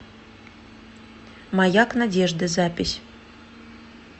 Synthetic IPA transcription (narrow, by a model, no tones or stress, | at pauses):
mɑjɑknadʲeʐd̪əzapʲɪsʲ